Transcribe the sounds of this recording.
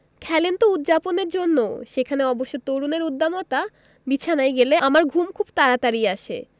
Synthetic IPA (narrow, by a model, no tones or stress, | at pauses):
kʰɛlent̪oud̪d͡ʑaponeɾd͡ʑonːo̰ʃekʰaneɔboʃːot̪oɾuneɾud̪ːamot̪a | bit͡ɕʰanajɡeleamaɾɡʱumkʰubt̪aɾat̪aɾiaʃḛ